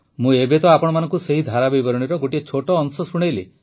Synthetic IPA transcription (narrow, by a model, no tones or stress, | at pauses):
mũebet̪ɔapɔɽ̃ɔmanɔŋkuseɦid̪ʱaɾabibɔɾɔɽ̃iɾɔɡoʈiet͡ʃʰoʈɔːnsɔsuɽ̃ejlḛ